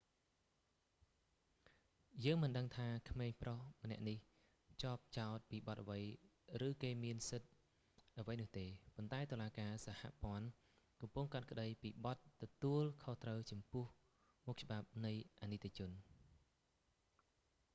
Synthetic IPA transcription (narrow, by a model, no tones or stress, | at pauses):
jəːŋmɨnɗəŋt̪ʰaːkʰmeːŋprohmə̆nɛ̆əʔnih | t͡ɕoːp̚t͡ɕaɔt̪̚piːɓɑt̪ʔəʋəj | rɨːkeːmiənsɨt̪̚ | ʔəʋəjnʊ̆əht̪eːpont̪aɛt̪oːlaːkaːsaha̰ʔpŏən | kɑmpʊŋkat̪̚kə̆ɗəjpiːɓɑt̪ːɔt̪uəlkʰoht̪rəwt͡ɕɑmpʊəh | muk̚t͡ɕə̆ɓap̚nɨjʔanɨt̪ʰːet͡ɕʊn